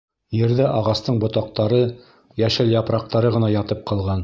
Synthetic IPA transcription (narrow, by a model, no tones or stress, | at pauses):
jɘ̆ɾðɘʔɑʁɑst̪ɤɴbŏt̪ɑq̚t̪ɑɾɤ | jæʃɘljɑpɾɑq̚t̪ɑɾɤʁɤ̆nɑjɑt̪ɤp̚qʰɑlˠʁɑn